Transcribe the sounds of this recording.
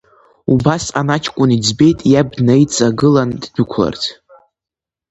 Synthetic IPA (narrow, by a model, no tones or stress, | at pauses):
ubasa̰nat͡ʃʰkʷʼʊnid͡zbe̞jtʼjabnajt͡sʼaɡɨlanddᶣʊkʷʰla̰rtʰ